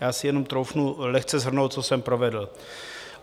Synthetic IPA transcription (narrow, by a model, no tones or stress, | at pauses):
jaːsɪjɛno̞mt̪ɾowfnulɛxt͡sɛzɦr̩nowt̪̚t͡sosɛmpɾovɛdl̩